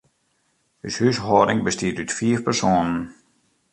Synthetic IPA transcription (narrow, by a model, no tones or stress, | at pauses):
hyshysɦɔːdɪŋbəstiətytfiːəfpərsoːnən